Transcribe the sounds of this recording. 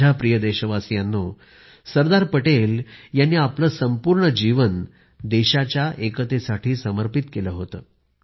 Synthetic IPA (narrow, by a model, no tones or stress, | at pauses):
apɾijəd̪eɕəʋasjanːo | səɾd̪aɾpəʈeljanːiːapləːsəmpuɾɳəd͡ʑiʋən | d̪eɕat͡ɕjaʔekət̪esaʈʰiːsəməɾpit̪keləɦot̪ə̰ː